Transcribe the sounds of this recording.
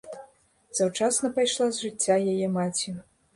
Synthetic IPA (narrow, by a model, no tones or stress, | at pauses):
z̥awt͡ʂasnɐpajʂlˠazʐɨt͡sʲːajajɛmat͡sʲi